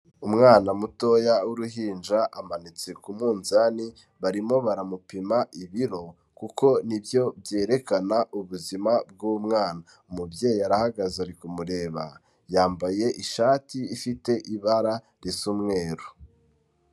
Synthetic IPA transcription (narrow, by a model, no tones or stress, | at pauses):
umŋaːnamuto̞jauɾuɦiːnd͡ʒaʔamanit͡se̞kumuːnzani | βaɾimo̞βaɾamupimaʔiβiɾo̞ | kuko̞nibjo̞bje̞ːɾe̞kanauβuzimab̚ɡumŋaːna | umubjeːjiaɾahaɡazaɾikumuɾe̞ːβa | jaːmbaje̞ʔiʃaːtiːfite̞ʔiβaɾa | ɾisumŋe̞ːɾu